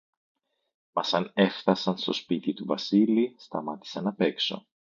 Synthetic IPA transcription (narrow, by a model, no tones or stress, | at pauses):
mɐsɐne̞fθɐsɐnst̪o̞spit̪it̪uvɐsilist̪ɐmɐt̪i̥sɐnɐpe̞kso̞̰